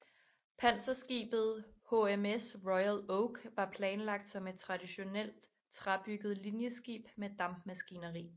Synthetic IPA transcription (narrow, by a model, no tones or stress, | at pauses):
pʰæn̰sɐsɡ̥ḭːb̥ð̞̩ˠho̝emesʁɔɪæloʊɡ̥ʋɑ̈pʰlɛːnlɑ̈ɡ̥̚d̥sɒ̽me̝d̥̚t͡sʰʁɑ̈d̥iɕo̝nel̰d̥ | t͡sʰʁab̥yɡ̥ð̞̩ˠlinjəsɡ̥ḭːb̥med̥ɑ̈mb̥mæsɡ̥inɐʁḭː